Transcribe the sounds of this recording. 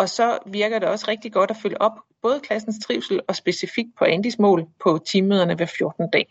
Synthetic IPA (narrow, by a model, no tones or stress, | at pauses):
ɒ̽sɒ̽ʋiɐɡ̥ɐd̥e̝ɒ̽sʁeɡ̥̚d̥iɡ̥ɒ̽d̥æføləʔɒ̽b̥̚b̥ɔ̽ːð̞̩ˠəkʰlæsn̩st͡sʰʁiʊsl̩ɒ̽sb̥e̝sifiɡ̥̚pʰɒ̽ʔænd̥ismɔ̰ːlpʰɒ̽t͡sʰiːmeð̞̰ˠɐnəʋæɐfjo̝ɐd̥n̩d̥ɛ̰ː